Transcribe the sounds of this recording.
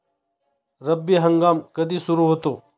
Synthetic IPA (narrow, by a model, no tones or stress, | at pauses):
ɾɐbːiɦɐ̃ŋɡaːmkɐd̪isʊɾuɦoːt̪oː